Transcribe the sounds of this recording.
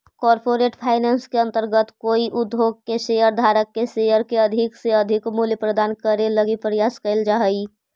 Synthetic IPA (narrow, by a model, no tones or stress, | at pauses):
kɔːɾpoɾeːʈpʰaːɪnaːnskeə̃nt̪əɾɡət̪koːiʔʊd̪ʱoːɡ̚keʃejəɾd̪ʱaːɾəkːeʃejəɾkeəd̪ʱɪkseəd̪ʱɪkmuljəpɾəd̪aːnkəɾeləɡipɾəjaːskəɪld͡ʒaːɦəi